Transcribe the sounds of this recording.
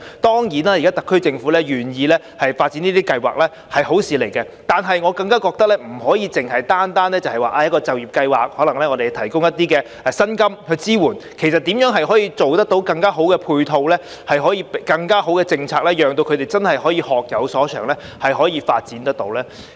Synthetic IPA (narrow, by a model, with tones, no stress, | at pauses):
t̪ɔː˥ŋjiː˨˩naː˥˩ji˨˩kaː˥t̪ɐ˨kʰːɵ˥ɥt͡sɪ˧ŋfuː˨˥lɛː˥ɥyː˨˩njiː˨˧lɛː˥ | hɐ˨jfaː˧t̚t͡sːiː˨˥niː˥iː˥kɐ˧jwa̰ː˨k̚lɛː˥ | hɐ˨jɦo˨˥wsiː˨˧le˨˩jkɛ˧ | t̪aː˨nɦɐ˨jŋɔː˨˧kɐ˧ŋkaː˥kɔː˧k̚t̪ɐ˥k̚lɛ˥m̩˨˩hɔː˨˥jiː˨˧t͡sɪ˨ŋhɐ˨jt̪aː˥nt̪aː˥nɛː˥t͡sɐ˨whɐ˨jwaː˨ʔaː˧jɐ˥kɔː˧t͡sɐ˨wjiː˨˩pkɐ˧jwaː˨k̚hɔː˨˥lɐ˨˩ŋlɛː˥ŋɔː˨˧de˨t̪ʰɐ˨˩jkʊ˥ŋjɐ˥t̪iː˥kɛː˧ | ɛ˨˩sɐ˥nkɐ˥mhɵ˧ɥt͡siː˥wuː˨˩nkʰe˨˩jsɐ˨t̪iː˨˥mjœː˨˥ŋɦɐ˨jɦɔː˨˥jiː˧t͡so˨wt̪ɐ˥k̚t̪o˨˥wkɐ˧ŋkaː˥ɦo˨˥wkɛ˧pʰuː˧jt̪ʰo˧wlɛː˥ | hɐ˨jɦɔː˨˥jiː˧pkɐ˧ŋkaː˥ɦo˨˥wkɛ˧t͡sɪ˧ŋt͡sʰaː˧k̚lɛː˥jœː˨ŋt̪o˧wkʰɵ˨˧t̪e˨˩jt͡sɐ˥nhɐ˨jɦɔː˨˥jiː˧hɔː˨k̚jɐ˨˧wsɔː˨˥t͡ʃʰœ̰ː˨˩ŋlɛ˥ | hɐ˨jɦɔː˨˥jiː˧fa̰ː˧t̚t͡siː˨˥nt̪ɐ˥k̚t̪o̰˨˧˥wlɛː˥